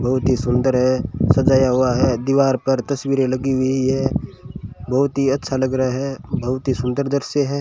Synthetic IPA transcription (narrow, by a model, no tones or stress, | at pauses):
bʱɐɦʊt̪ɦisʊ̃nd̪əɾɦɛsɐd͡ʒaːjaɦʊaɦɛd̪iʋaːɾpɐɾt̪ɐswiːɾẽlɐɡiɦʊiiɦɛ | bʱɐɦʊt̪ɦiɐtːʃʰalɐɡɾɐaɦɛbʱɐɦʊt̪ɦisʊ̃nd̪əɾd̪ɐɾseɦɛː